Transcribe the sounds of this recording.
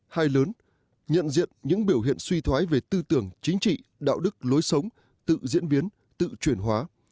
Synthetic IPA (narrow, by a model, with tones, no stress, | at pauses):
haː˧jləː˨˦n | ɲə̰˧˨nzḭ˧˨ənɲɨ̰˧˥ŋɓi˧˩əwɦḭ˧˨ənswi˧t̪ʰwaː˨˦jve˨˩t̪ɨ˧t̪ɨ˧˩əŋt͡ɕï˨˦ŋ̟t͡ɕḭ˧˨ɗa̰ː˧˨wɗɨ˦˥k̚lo˨˦jsə˨˦wŋ͡m | t̪ɨ̰˧˨zḭ˧˥ənɓi˨˦ən | t̪ɨ̰˧˨t͡ɕwi˧˩ənɦwaː˨˦